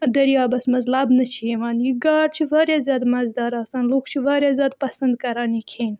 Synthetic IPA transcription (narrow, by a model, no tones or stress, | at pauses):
d̪ɐɾjaːbɐsmɐzlabnɐt͡ʃʰiemaːnjiɡaːɽt͡ʃʰiʋaːɾjaːzʲjaːd̪mɐzd̪aːɾaːsaːnluːkʰt͡ʃʰiʋaːɾʲjaːzjaːd̪̚pɐsɐnd̪̚kɐɾaːnikʰeːn